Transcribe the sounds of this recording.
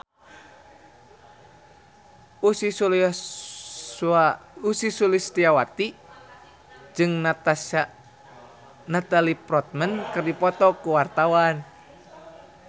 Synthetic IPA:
usi | ausisulist̪iawat̪i | d͡ʒɨŋ | nat̪alipɾɔt̪̚mənkɨrdipɔt̪ɔkuwart̪awan

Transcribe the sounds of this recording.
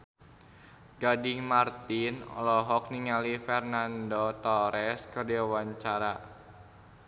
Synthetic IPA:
ɡadiŋmart̪inɔ̰lɔɦɔk̚niŋalifɛrnandɔt̪ɔɾɛskərdɛwaɲt͡ʃaɾa

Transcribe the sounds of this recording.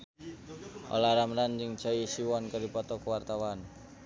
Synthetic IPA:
ʔo̰laɾamɾand͡ʒɪŋ̥t͡ʃa̤isiwɔnkaɾipɔt̪ɔkəwart̪awan

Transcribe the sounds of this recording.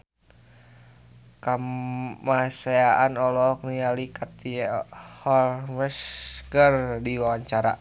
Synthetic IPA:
kamaseaanɔlɔknialikat̪ihɔlmɛskərdiwawaɲt͡ʃaɾa̰

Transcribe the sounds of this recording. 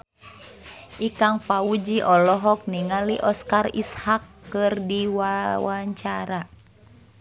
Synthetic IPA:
ʔikaŋfaud͡ʒiʔɔlɔɦɔk̚niŋaliʔɔskarḭshakːɨrdiwawaɲt͡ʃaɾa

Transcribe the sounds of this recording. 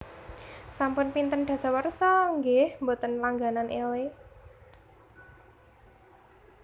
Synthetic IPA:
sampʊnpint̪ənɖ̪̥a̤sawərsɔŋɡehmbot̪ənlaŋɡananʔele

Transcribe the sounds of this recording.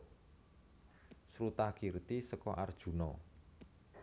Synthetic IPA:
sɾut̪akirt̪isəkɔʔard̥ʒ̥ṳnɔ̰

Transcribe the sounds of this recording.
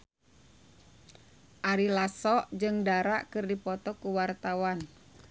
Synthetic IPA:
ʔaɾilasɔʔd͡ʒɨŋdaɾaʔkɨrdipɔt̪ɔkuwart̪awan

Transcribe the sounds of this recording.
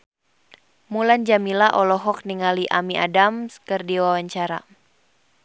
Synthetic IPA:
muland͡ʒamilaʔɔlɔɦɔk̚niŋaliʔamiʔadamskɨrdiwawaɲt͡ʃaɾa̰

